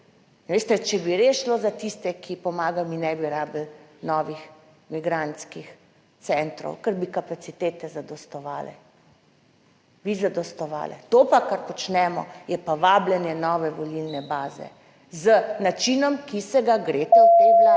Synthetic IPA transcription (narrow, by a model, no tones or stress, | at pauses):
ʋeːst̪ɛt͡ʃɛbiɾeːsʃlozat̪ist̪ɛkʰipɔmaːɡawminɛbiɾaːblnɔːʋix | miɡɾant̪skix | t̪sɛnt̪ɾɔ̰wkəɾbikapat̪sit̪eːt̪ɛzad̪ɔst̪ɔʋa̰ːlɛ̰ | ʋizad̪ɔst̪ɔʋa̰ːlɛ̰t̪opakaɾpɔt͡ʃnɛːmɔ̰jɛpaʋaːblɛnjɛnɔːʋɛʋɔlilnɛbaːzɛ̰ | zənat͡ʃinɔmkisɛɡaɡɾeːt̪ɔt̪ela